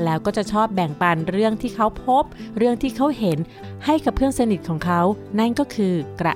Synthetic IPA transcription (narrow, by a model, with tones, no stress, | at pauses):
lɛː˦˥wkɔː˥˩t͡ɕa˨˩t͡ɕʰɔː˥˩p̚bɛ˨˩ŋpa˧nɾɯ˥˩əŋt̪ʰiː˥˩kʰa˦˥wpʰo˦˥p̚ɾɯ˥˩əŋt̪ʰiː˥˩kʰa˦˥wɦe˩˦n | ha˥˩jka˨˩p̚ʰːɯ˥˩əŋsa˧ni˨˩t̪̚kʰɔː˩˦ŋkʰa˦˥wna˥˩nkɔː˥˩kʰɯː˧kɾa̰˨˩